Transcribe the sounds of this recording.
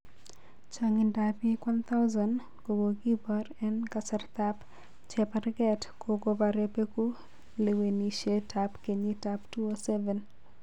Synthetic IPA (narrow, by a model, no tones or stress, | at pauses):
t͡ʃaŋɪndapikwant̪ʰaʊzan | kowoɡibarɛnkasɛrt̪ap | t͡ʃɛpaɾɡɛtkoɡobaɾepeku | leweniʃetapkeɲitaptuosɛvɛn